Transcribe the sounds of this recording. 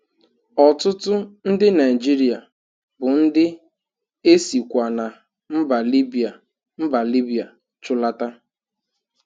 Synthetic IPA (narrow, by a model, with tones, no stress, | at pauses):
ɔ˨tʊ˦tʊ˦n̩˦dɪ˦na˨i˨d͡ʒi˦ɾi˨a˨ | bʊ˨n̩˦dɪ˦ | e˦si˨kʷa˨na˨ | m̩˦ba˨li˦bi˨a˨ | m̩˦ba˨li˦bi˨a˨ | t͡ʃʊ˦la˦ta˦